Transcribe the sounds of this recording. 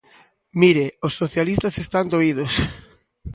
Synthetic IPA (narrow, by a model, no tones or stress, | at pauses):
miɾɪosːoθjalist̪ɐsest̪and̪oið̞os